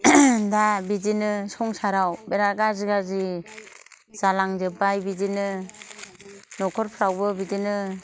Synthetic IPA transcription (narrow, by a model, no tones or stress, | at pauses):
dabidinɯsɔŋsaɾawbeɾaɡaziɡazi | z̥alaŋzɯpbajbid͡ʒinɯ | nɔkʰɔɾpʰɾawbɯbidinɯ